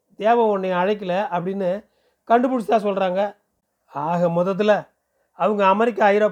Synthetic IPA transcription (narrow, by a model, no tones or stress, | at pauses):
d̪eːʋɐ̃ɔnːɐjɐːɻɐɪk̬ːɪlɐɐpːɐɽɪnːɯ | kɐɳɖɯpʊɽɪt͡ʃːɪt̪ːaːsɔlɾaːŋɡɐ | aːɣɐmɔðɐt̪̬ːɪlɐ | ɐʋɐŋɡɐːmɛɾɪk̬ːaɐjɪɾoː